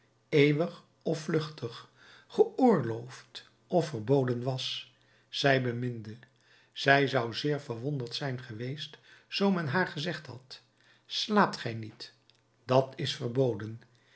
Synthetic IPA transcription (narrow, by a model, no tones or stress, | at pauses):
ejʋəχ | ɔflɵχtʰəχ | χəʔʊːɹlowft | ɔfəɹbowdənʋɑs | z̥ɛjbəmɪndə | z̥ɛjzɑwzɪːɹvəɹʋondəɹtsɛjnχəʋejstzowmɛnɦaːɹχəzɛχtɦɑ̰t | slaːp̚tχɛjnit | d̥ɑtɪsfəɹbowdən